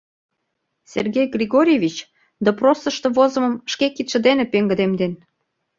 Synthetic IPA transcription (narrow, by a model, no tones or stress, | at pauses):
sʲḛrɣejɡrʲiɣoɾʲievʲit͡ɕ | d̪əprosə̆ʃt̪ɤ̆vozə̆mə̆mʃkekit̪ʃə̆d̪enepeŋɡə̆d̪emd̪en